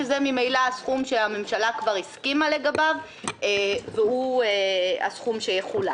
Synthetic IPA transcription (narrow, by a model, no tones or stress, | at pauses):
ezemimejlaasχumʃeame̞mʃalakvaʁiskimale̞ɡabav | eveuea̰sχumʃejeχula